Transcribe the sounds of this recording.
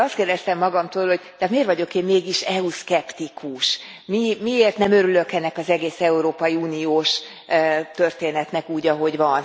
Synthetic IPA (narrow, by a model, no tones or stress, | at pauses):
ɒst̪̚keːrd̪ɛst̪ɛmːɒɡɒmt̪oːlho̞ɟ̚t̪ɛt̪meːrvɒɟo̞keːmmeːɡiʃɛuskɛpt̪ikʰuʃ | mimieːrt̪nɛmøɾylø̞kɛnːɛkɒzɛɡeːsɛuɾoːpɒjiuːnioːʃ | t̪ørt̪eːnɛt̪nɛkuːɟɒɦo̞ɟvɒn